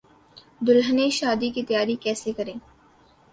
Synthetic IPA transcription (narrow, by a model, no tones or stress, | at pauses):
d̪ʊlɦəneʃaːd̪ikit̪ɐjaːɾikɛːsekɐɾẽː